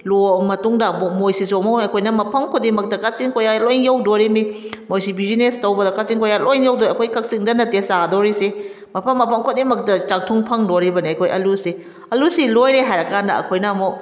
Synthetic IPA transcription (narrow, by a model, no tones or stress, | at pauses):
lomɐtuŋdɐmmojsisomownɐkʰojnɐmɐpʰɐmkʰodimɐk̚tɐkasiŋkojalojnjawdoɾimimojsibizinestɐwbɐdɐkasiŋkojalʔojnjawdojɐkʰojkɐk̚siŋdɐnɐtesadoɾise | mɐpʰɐmːɐpʰɐmkʰodimɐk̚tɐt͡ʃak̚tʰuŋpʰɐŋdoɾibɐniɐjkʰojʔɐlusi | ɐlusilojɾeɦajɾɐkʰandɐɐ̰kʰojnɐmo